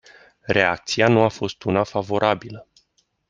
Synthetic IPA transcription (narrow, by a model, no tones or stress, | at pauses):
re̞a̰k̚t̪sianuafo̞st̪unafavo̞ɾʔabilə